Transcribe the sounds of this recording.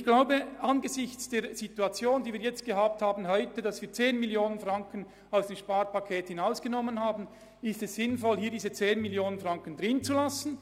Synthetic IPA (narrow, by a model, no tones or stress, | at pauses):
ɪçɡ̥laʊbəʔanɡəzɪçt͡sd̥eːɾz̥ituat͡sjoːndiːviːɐjɛt͡st̚ɡ̥əɦaːp̚thaːbn̩ɦɔʏtədɑsviːt͡seːnmiljoːnənfʁaŋkən | aʊsd̥eːmʃpaːɾpakʰeːthɪnaʊsɡ̥ənɔmːənhaːbn̩ | ɪstɛsz̥ɪnfɔlhiːɐdiːzət͡seːnmiljoːnənfrʁaŋkəndʁɪnt͡sulasn̩